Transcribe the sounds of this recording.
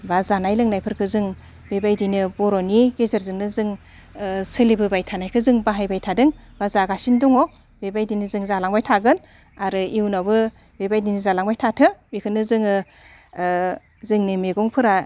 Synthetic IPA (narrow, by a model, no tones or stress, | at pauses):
bazanajlɯŋnajpʰɯɾkʰɯzɯŋ | bebajdinɯbɔɾɔniɡezaɾzɯŋnɯzɯŋ | sɯlibɯbajtʰanajkʰɯzɯŋbaɦajbajtʰadɯŋbazaɡasindɔŋɔ | bebajdinɯzɯŋzalaŋbajtʰaɡɯn | aɾɯiwnabɯ | bebajdinizalaŋbajtʰatʰɯbikʰɯnɯzɯŋɯ | zɯŋnimeɡɔŋpʰɯɾa